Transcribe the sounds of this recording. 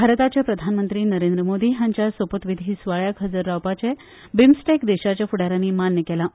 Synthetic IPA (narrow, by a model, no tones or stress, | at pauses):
bʱaɾət̪at͡ɕjapɾəd̪ʱanmənt̪ɾiːnəɾend̪ɾəmod̪iːɦaɲt͡ɕjasʋəpət̪ʋid̪ʱiːsʋaɭjakʰəd͡zəɾːawpat͡ɕɛ | bimsʈekd̪eɕat͡ɕjafuɽaɾaniːmanjəkɛla